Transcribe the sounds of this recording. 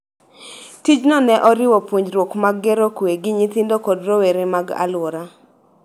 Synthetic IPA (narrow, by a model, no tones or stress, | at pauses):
tid͡ʒnɔnɛʔɔɾɪwɔpwoɲd͡ʒɾwokmaɡːeɾokweɡɪɲɪt̪ɪndokɔdɾoweɾemaɡa̰lwɔɾa